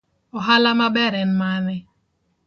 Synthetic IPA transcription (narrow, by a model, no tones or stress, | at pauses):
ɔɦalamabɛɾɛnmanɛ